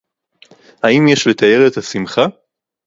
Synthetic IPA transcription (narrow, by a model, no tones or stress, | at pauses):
haimjeʃle̞t̪ae̞ʁe̞t̪hasimχa